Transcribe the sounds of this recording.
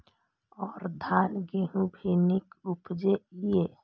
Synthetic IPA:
ɔːɾd̪ʱaːlɡeɦũbʱinikupd͡ʒeije

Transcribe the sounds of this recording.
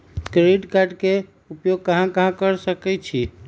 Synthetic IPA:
kɾeɖkaɾɖke | upjoɡ̚kəɦãkəɦãkəɾsəkɛt͡ʃʰi

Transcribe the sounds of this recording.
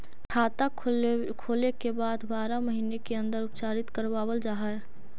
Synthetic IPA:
kʰaːt̪ak | kʰoːlekebaːd̪baːɾaməɦiːnekeə̃nd̪əɾʊpt͡ʃaːɾɪt̪kəɾwaːwəld͡ʒaːɦaɛ

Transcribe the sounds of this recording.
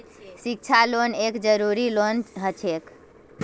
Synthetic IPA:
sik̚t͡ʃʰalonekd͡ʒəɾuɾilonɦət͡ʃʰek

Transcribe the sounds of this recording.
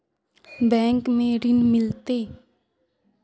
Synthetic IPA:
bɛ̃ːŋkmẽɾɪnmɪlt̪eː

